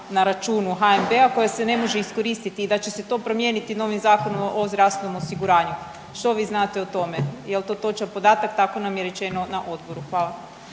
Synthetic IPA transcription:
naɾat͡ʃuːnuɦaembe̞ako̞jase̞ne̞mo̞ʒeisko̞ɾiːst̪it̪iːd̪at͡ɕe̞set̪opɾo̞mje̞nit̪ino̞ʋimzaːko̞nomʔozd̪ɾast̪eno̞mo̞siɡuɾaːɲu | ʃt̪o̞ʋiːznat̪e̞ot̪o̞me̞jelˠt̪o̞ːt̪o̞t͡ʃapo̞d̪aːt̪akt̪ako̞namjeɾe̞t͡ʃe̞no̞naʔo̞d̪bo̞ɾuxʋaːlˠa

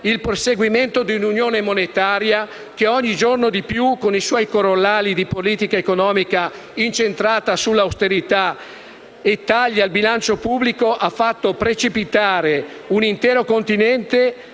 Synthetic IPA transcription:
ilperseɡwiment̪od̪iununjoːnemonet̪aːɾja | k̟eɔɲːid͡ʒornod̪ipjukoniswɔjkoɾolːaːlid̪ipoliːt̪ikaekonɔːmika | int͡ʃent̪ɾaːt̪asulːawst̪eɾit̪a | et̪ːaʎːalbilant͡ʃopublikoʔafːat̪ːopɾet͡ʃipit̪aːɾe | unint̪ɛːɾokont̪inɛnt̪e

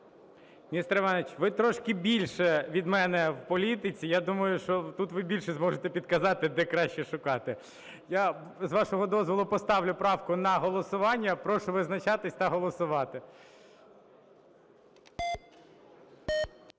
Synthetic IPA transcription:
mʲnʲist̪ɾɪʋɑnet͡ʃʋɪt̪ɾɔʃkɪbʲilʲʃɛʋʲid̪mɛnɛwpɔlʲit̪ɪt͡sʲijad̪umɐjʊʃt͡ʃɔt̪ut̪ʋɪbʲilʲʃɛzmɔʒet̪ɛpʲid̪kɐzɑt̪ɪd̪ɛkɾɑʃt͡ʃɛʃʊkɑt̪ɪ | ja | zʋɑʃɔɦɔd̪ɔzʋɔlˠʊpɔst̪ɑwlʲʊpɾɑwkʊnɐɦɔlˠɔsʊʋɑnʲːɐpɾɔʃʊʋɪznɐt͡ʃɑt̪ɪsʲt̪ɐɦɔlˠɔsʊʋɑt̪ɪ

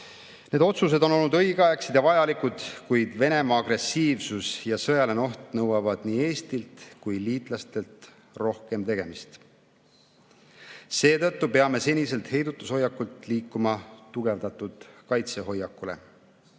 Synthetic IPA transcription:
ne̞d̪o̞t̪sus̬e̞d̪o̞no̞lnud̪ɤjɡɑjɑksid̪̥jɑvɑjɑlikud̪̥kujd̪ve̞ne̞mɑːɡre̞sːiːvsusjɑsɤ̞jɑleno̞ht̪nɤwɑvɑd̪̥niːe̞ːst̪ilt̪kujliːt̪ˑlɑst̪e̞lt̪ | ro̞hke̞mt̪e̞ɡ̥e̞mist̪ | se̞ːt̪ɤt̪ːupe̞ɑme̞se̞nʲise̞lt̪he̞jd̪ut̪ˑːusho̞jːɑkːult̪ˑliːkːumɑt̪uɡ̥e̞vd̪̥ɑt̪ːˑud̪̥kɑjt̪se̞ɦo̞jɑkːule̞̰

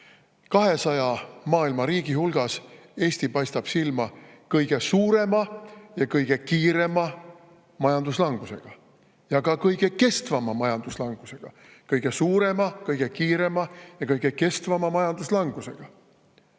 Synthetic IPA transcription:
kɑɦe̞sɑjɑmɑːilmɑɾiːɡ̥ihulɡ̥ɑs | e̞ːsʲt̪ipɑjst̪ɑb̥silmɑkɤjɡ̥e̞suːɾe̞mɑjɑkɤjɡ̥e̞kiːɾe̞mɑ | mɑjɑnd̪uslɑŋɡ̥use̞̰ɡ̥ɑ | jɑkɑkɤjɡ̥e̞ke̞st̪vɑmɑmɑjɑnd̪uslɑŋɡ̥use̞ɡ̥ɑ | kɤjɡ̥e̞suːɾe̞mɑkɤjɡ̥e̞kiːɾe̞mɑjɑkɤjɡ̥e̞ke̞st̪vɑmɑmɑjɑnd̪̥uslɑŋɡ̥use̞ɡ̥ɑ

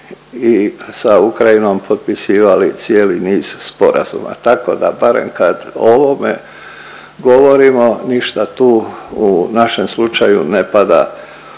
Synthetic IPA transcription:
isaukɾaino̞mpʰo̞d̪̚pisiːʋalit̪sieːliniːz̥spo̞ɾa̰z̥ṵma̰t̪ako̞̰d̪a̰baɾḛmkad̪o̞ʋomḛ | ɡo̞ʋo̞ɾimo̞niʃt̪at̪uːunaʃe̞mslut͡ʃajunepad̪a̰

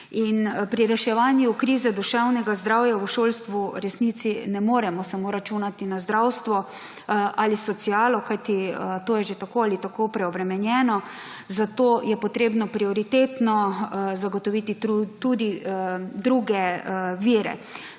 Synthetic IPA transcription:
inpɾiɾɛʃɛʋanjukɾiːzɛd̪uʃɛwnɛɡazd̪ɾawjauʃoːlst̪ʋuɾɛsnit̪sinɛmoːɾɛmɔsamoːɾat͡ʃunat̪inazd̪ɾawst̪ʋɔ | ʔalisɔt̪siaːlɔkajt̪it̪oːjɛʒet̪akoːalit̪akopɾɛɔbɾɛmɛnjɛːnɔ | zat̪oːjɛpɔt̪ɾeːbnɔpɾiɔɾit̪eːt̪nɔzaɡɔt̪ɔʋit̪iut̪ud̪id̪ɾuɡɛʋiːɾɛ̰

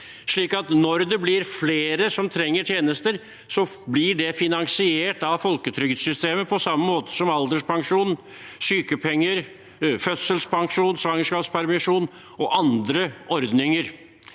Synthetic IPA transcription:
ʂɭiːkɑt̪nɔɾd̪ɛblɪɾfleːɾəsɔmt̪ʰɾɛŋːəʈʰjeːnəst̪əɾ | sɔblɪɖɛfɪnɑŋsɪeːʈɑʋfɔlkət̪ʰɾʏɡd̪sʏst̪eːməpʰɔsɑmːəmoːt̪ə̥sɔmɑld̪əʂpʰɑŋʂuːn | syːkəpʰɛŋːəɾ | fœt̪səlspʰɑŋʂuːnsʋɑŋəʂkɑːpspʰæɾmɪʂuːn | ɔʔɑnd̪ɾəɔɾd̪nɪŋəɾ

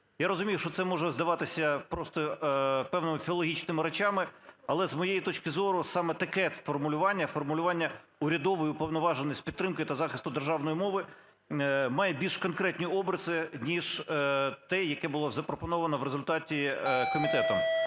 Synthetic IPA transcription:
jaɾɔzʊmʲijʊʃt͡ʃɔt̪sɛmɔʒɛzd̪ɐʋɑt̪ɪsʲɐpɾɔst̪ɔpɛwnɪmɪfʲiɔlˠɔɦʲit͡ʃnɪmɪɾet͡ʃɑmɪɐlˠɛzmɔjejit̪ɔt͡ʃkɪzɔɾʊsɑmɛt̪ɐkɛt̪fɔrmʊlʲʊʋɑnʲːɐfɔrmʊlʲʊʋɑnʲːɐ | ʊɾʲɐd̪ɔʋɔjipɔwnɔʋɑʒenʲisʲtʲpʲid̪ɾɪmkɪt̪ɐzɑxɪst̪ʊd̪erʒɑwnɔjimɔʋɪ | mɑjɛbʲilʲʃkɔnkɾɛtʲnʲijɔbɾɐzɪnʲiʒ | t̪ɛjɐkɛbʊlˠɔzɐpɾɔpɔnɔʋɐnɔʋɾezʊlʲt̪ɑtʲikɔmʲit̪ɛt̪ɔm

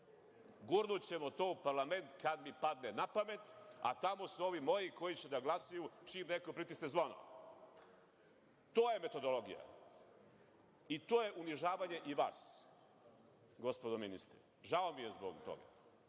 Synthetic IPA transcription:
ɡuɾnut͡ɕemo̞t̪o̞ːupaɾlˠame̞nt̪kad̪mipad̪nenapame̞t̪a̰t̪amo̞suo̞ʋimo̞jiko̞jit͡ɕed̪aɡlasajut͡ʃimnekopɾit̪isezʋono̰ | t̪oːje̞me̞t̪o̞d̪o̞lo̞ɡḭja̰ | it̪oːje̞ʔuniʒaːʋaɲe̞ʔiʋa̰ːs | ɡo̞spo̞d̪ominḭst̪ɾḭ | ʒaomije̞zbo̰ɡt̪o̰ɡa̰

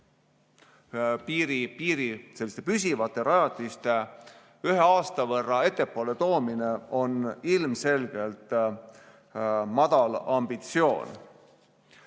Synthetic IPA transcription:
piːɾipiːɾise̞lːist̪e̞pysʲivɑt̪ːˑe̞ɾɑjɑt̪ːˑist̪e̞ | yɦe̞ɑːst̪ɑvɤrːɑe̞t̪ːe̞pːˑoːle̞t̪o̞ːmine̞o̞nilmse̞lɡ̥e̞lt̪ˑ | mɑd̪̥ɑlɑmb̥it̪sio̞̰ːn

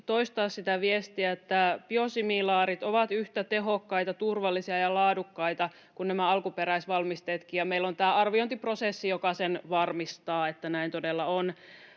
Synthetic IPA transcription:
t̪oist̪ɑːssit̪æʋiest̪iæet̪ːæpiosimilɑːɾit̪oʋɑt̪yht̪æt̪eɦokːɑjt̪ɑt̪urʋɑlːisiɑjɑlɑːdukːɑijt̪ɑ | kunnæmæɑlkupeɾæisʋɑlmist̪et̪kiːjɑmeilːont̪æːɑrʋiont̪iprosesːijokɑsenʋɑrmist̪ɑːet̪ːænæint̪odelːɑon

